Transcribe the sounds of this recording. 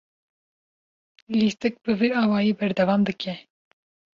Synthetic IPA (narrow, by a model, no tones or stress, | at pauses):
list̪ɨk̚bɨviɑːwɑːjiːbɛɾd̪ɛvɑːmd̪ɨkʰɛ